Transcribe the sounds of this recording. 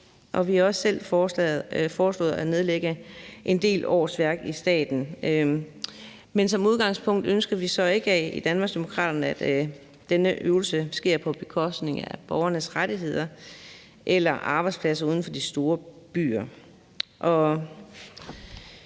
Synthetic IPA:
ʔɒ̽ʋihɑ̈ɒ̽ssel̰ | fɒːslɔ̽ːð̩ˠæne̝ð̞ˠleɡ̥əʔe̝nde̝̰ːlɒ̰ːsʋæɐɡ̥isd̥ɛ̰ːd̥n̩ | mensɒ̽muð̞ˠɡ̥ɑ̈ŋspʰɔ̽ŋ̰d̥ønsɡ̥ð̩ˠʋisɒ̽e̝ɡ̥əɛḭd̥ænmɑ̈ɡ̥sd̥e̝mo̝kʰʁɑ̰̈ːd̥ɐnəæd̥ | d̥enəʔøːʊl̩səsɡ̥e̝ɐ̰pʰɒ̽b̥e̝kʰɒ̽sd̥ne̝ŋæb̥ɒʊɐnəsʁadiɦe̝ð̞̰ˠɐ | ʔelɐʔɑ̈ːb̥ɑ̈ɪdspʰlæsɐuð̞ˠn̩fɒ̽d̥isd̥o̝ːɐb̥y̰ːɐ | ʔɒ̽

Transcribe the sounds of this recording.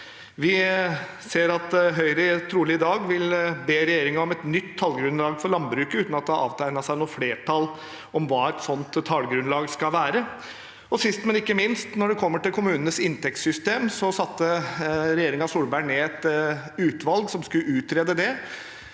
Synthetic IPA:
ʋɪ | seːɾɑt̪ɦœʏɾəɪt̪ʰɾuːlɪɪd̪ɑːɡʋɪlbeːɾɛjeːɾɪŋɑɔmɛt̪nʏt̪ʰːɑlɡɾʉnlɑːɡfɔɾɭɑnbɾʉːkəʉːt̪nɑt̪̚d̪ɛɑɑ̰ːʋt̪ʰæɪnɑsæɪnuːfleːʈʰɑl | ɔmʋɑːæt̪sɔnt̪ʰːɑlɡɾʉnlɑːɡskɑlʋæːɾə | ɔsɪst̪mɛnɪkːəmɪnst̪nɔɖɛkʰɔmːəʈɪlkʰʊmʉːnənəsɪnt̪ɛk̚t̪sʏst̪eːmsɔsɑt̪ːəɾɛjeːɾɪŋɑsuːɾbæɪɳeːɛt̪ʉːt̪ʋɑlɡsɔmskʉʉːt̪ɾeːd̪əd̪ɛ

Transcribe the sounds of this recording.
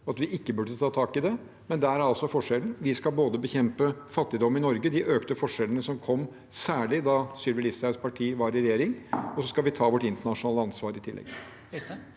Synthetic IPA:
ɑt̪ʋɪʔɪkːəbʉɖət̪ʰɑːt̪ʰɑːkɪd̪ɛ | mɛnd̪ææɾæɾɑlsɔfɔʂɛlənʋɪskɑlboːd̪əbəçɛmpəfɑt̪ːɪd̪ɔmːɪnɔɾɡəd̪ɪʔøːkt̪əfɔʂɛlənəsɔmkʰɔmː | sæːɭɪd̪ɑsyːɾʋɪlɪsæspʰɑʈʰiːʋɑɾɪɾɛjeːɾɪŋɔsɔskɑlʋɪt̪ʰɑːʋɔʈɪnt̪əɳɑʂʊnɑːləɑnsʋɑːɾɪt̪ʰɪlʔɛ̰ɡ

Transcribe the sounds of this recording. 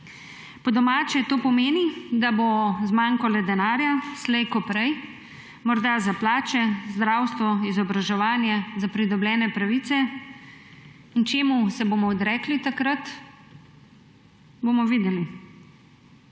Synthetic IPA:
pɔd̪ɔmaːt͡ʃɛt̪oːpɔmeːnid̪abozmaŋkɔlɛd̪ɛnaːɾjaslɛjkɔpɾɛj | mɔɾd̪azaplaːt͡ʃɛzd̪ɾawst̪ʋɔizɔbɾaʒɛʋaːnjɛzapɾid̪ɔblʲɛːnɛpɾaʋit̪sɛ | int͡ʃeːmusɛboːmɔːd̪ɾɛːklit̪akɾat̪ | boːmɔʋiːd̪ɛli

